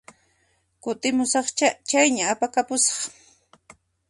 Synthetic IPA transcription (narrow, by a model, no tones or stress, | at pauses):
kʊt̪ɪmʊsɑχat͡ʃajɲaːpakapʊsɑ̥χ